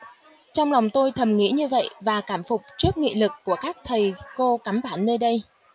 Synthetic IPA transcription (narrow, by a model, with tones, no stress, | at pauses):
t͡ɕɔ˧wŋ͡mla˨˩wŋ͡mt̪o˧jt̪ʰə˨˩mŋḭ˧˥ɲɨ˧və̰˧˨jvaː˨˩kaː˧˩mfʊ˨˩k͡p̚t͡ɕɨ˦˥ək̚ŋḭ˧˨lɨ˨˩kːu˧˩əkaː˦˥k̚t̪ʰə˨˩jko˧ka˨˧˩mɓaː˧˩nːəː˧ɗə˧j